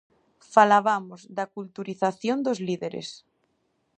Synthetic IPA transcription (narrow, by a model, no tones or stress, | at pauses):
falaβamozd̪akult̪uɾiθaθjond̪ozliðeɾḛs